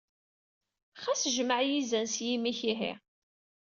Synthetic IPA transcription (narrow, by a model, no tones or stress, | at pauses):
χæsʒməʕjizænsjimiçiɦḭ